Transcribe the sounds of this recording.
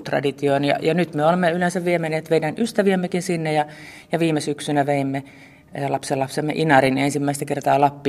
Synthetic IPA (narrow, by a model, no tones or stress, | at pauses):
t̪rɑ̰dit̪ionjɑ̰jɑnyt̪meolemːeylẽnsæʋʋiemeneːt̪ʋeinænyst̪æʋiæmːekinsinːejɑ | jɑʋiːmesyksynæʋeimːe | lɑpselɑpsemːḛʔinɑrinensimːæist̪ækert̪ɑːlɑpːi